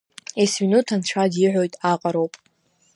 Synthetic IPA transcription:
esminutʰant͡ɕʷʰadiʕʷo̞jtʼaqʼaɾowpʼ

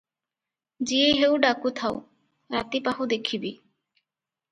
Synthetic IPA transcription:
d͡ʒieɦewɖakut̪ʰaw̰ | ɾat̪ipaɦud̪ekʰibi

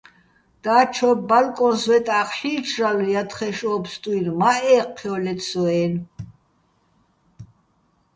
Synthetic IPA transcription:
d̪̥aːt͡ʃʰɔbbalkʼɔnswɛt̪ʼaːχʃiːt͡ʃʰralujat̪χɛʃɔːpst̪ʼuinmaʔɛːqʰːɛɔlɛt̪ʰsɔɛːn

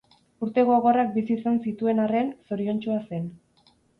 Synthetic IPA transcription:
uɾt̪e̞ɣoaɣo̞rak̚bisiːsansit̪ue̞nare̞nso̞ɾio̞nt͡ʃuase̞n

